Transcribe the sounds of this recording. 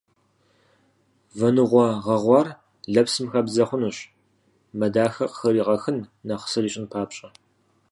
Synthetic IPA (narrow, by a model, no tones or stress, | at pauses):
vɐnɨʁʷɔʁɐʁʷɑːr | ɮɐpsɨmxɐbzɐχʷʊnuːɕ | mɐdaːxɐqə̥xɐɾiːʁɐxɨnːɐχə̥sɨriːɕʼɪnpʰaːpɕʼɐ